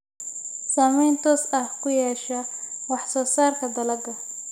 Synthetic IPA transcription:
saːmɛjnt̪ʰɔːsɐhkʰʊjɛːʃɐwɑħsɔːsaːrkʰɐd̪ɐlɐd̪ɐ

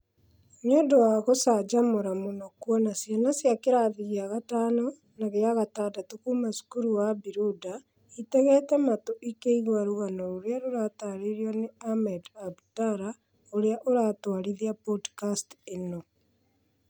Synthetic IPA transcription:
mjɔdowaɣosad͡ʒamoɾamonɔkwɔnasjanasjakeɾaðiɣiaɣataːnɔ | naɣeaɣataːdatukumasu̥kuɾuwabiɾuda | itɛɣɛːtɛmatoʔikeiɣwaɾoɣanɔɾoɾeaɾoɾataɾeɾiɔneamɛdabtaɾa | oɾeaʔoɾatwaɾiðiapodkasteno

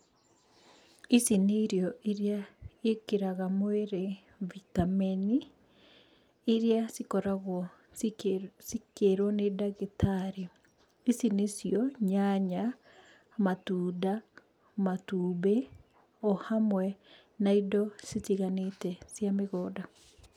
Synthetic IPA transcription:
isineɾjɔʔiɾeaekeɾaɣamweɾe | vitamɛni | ɾeasikɔɾaɣwɔ | sikeɾwɔnedaɣetʰaɾe | isinesjɔɲaɲa | matuːda | matuːbe | ɔhamwɛ | naidɔsitiɣanetɛsjameɣɔːda

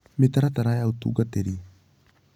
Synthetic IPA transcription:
metaɾataɾajautṵɡateɾi

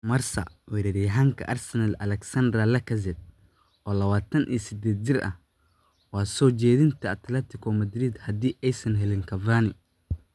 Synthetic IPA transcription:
mɐrsɐ̰wɛɾɛɾɪjɐɦaːŋkʰɐ̰ʔɐrsɐnɐlɐ̰lɛksɐnd̪rɐlɐkʰɐs̬ɛd̪̚ | ʔɔːlɐβaːt̪ʰɐnʔḭːsɪd̪ɛːd̪̚t͡ʃɪrʔɐ̰h | wɑːsɔːt͡ʃɛːðɪnt̪ʰɐɐt̪lɛt̪ʰɪkʰɔmɐd̪ɾɪd̪hɐd̪iːʔɛjsɐnɦɛlɪŋkʰɐvaːnɪ

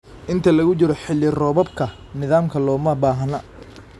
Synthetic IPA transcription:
ʔɪnt̪ʰɐlɐɣʊt͡ʃɪɾɔħɪlːɪrɔːβɔbkʰɐ | nɪðaːmkʰɐlɔːmɐbaːɦɐnɐ

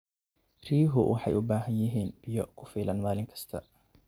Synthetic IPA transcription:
riːɦʊwʔɑħɑ̰jʊbaːɦɐnjɪɦiːnb̥ɪjɔkʰʊfiːlɐnmaːlɪŋkʰɐ̥st̪ʰɐ

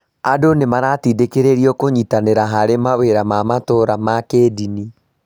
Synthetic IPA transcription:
adonemaɾatidekeɾeɾiɔkoɲitaneɾaɦaɾemaweɾamamatoɾamakeːdini

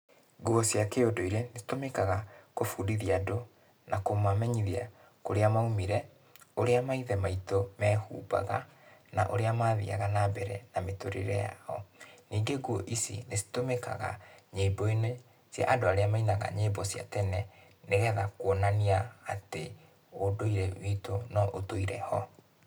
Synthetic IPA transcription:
ɡuɔsjakeodoiɾenesi̥tomekaɣakofuːdiðiado | nakomamɛɲiðia̰ | koɾeamaumiɾɛ | oɾeamaiðɛmaitomɛːhṵːba̰ɣa̰na̰ʔoɾeamaːðḭa̰ɣanabɛɾɛ̰nametoɾḛɾɛja̰ɔ̰niːŋɡeɡwɔʔisḭnesi̥tomeka̰ɣa̰ɲebɔine | sja̰ʔadoaɾeamainaɣa̰ɲebɔsja̰tɛnɛ | neɣɛðakwɔnaniaːte | odoiɾɛwiːtonɔʔotoiɾɛhɔ

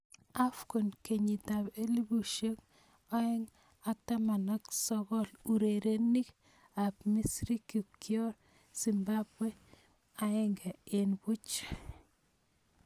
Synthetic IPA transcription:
afkonkeɲitapelibuʃek | aɪŋ | ak̚tamanaksɔɣɔluɾeɾenik | apmisɾikikjɔɾ | simbabwe | aɪŋɡɛenbut͡ʃ

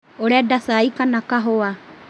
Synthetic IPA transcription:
oɾeadasaikanakaɦoa

